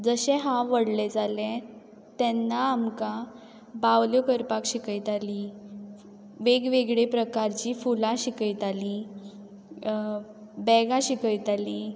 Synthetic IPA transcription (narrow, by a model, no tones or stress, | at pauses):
d͡zəɕẽɦãʋəɽled͡zalɛ̃ | t̪ɛnːaːmka | baʋljokəɾpakɕikəjt̪ali | ʋeɡʋeɡɭepɾəkaɾt͡ɕiːfulaɕikəjt̪ali | bɛɡãɕikəjt̪aliː